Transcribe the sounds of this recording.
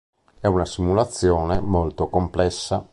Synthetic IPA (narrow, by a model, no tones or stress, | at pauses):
ɛunasimulat̪sːjɔːnemolt̪okomplɛsːa